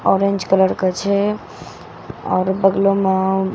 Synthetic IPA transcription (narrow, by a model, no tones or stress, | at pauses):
ɔɾẽnd͡ʒkələɾkət͡ʃʰɛ | ɔːɾbəɡlome